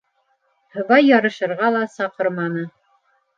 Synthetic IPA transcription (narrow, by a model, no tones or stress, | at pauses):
hɤ̆βɑjːɑɾɤ̆ʃɤ̆ɾʁɑlˠɑsɑqɤɾmɑnɤ